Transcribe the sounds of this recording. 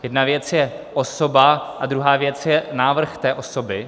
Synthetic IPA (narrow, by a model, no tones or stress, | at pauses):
jɛdnavjɛt͡sjɛ | ʔosobaʔad̪ɾuɦaːvjɛt͡sjɛnaːvr̩xt̪ɛːʔosobɪ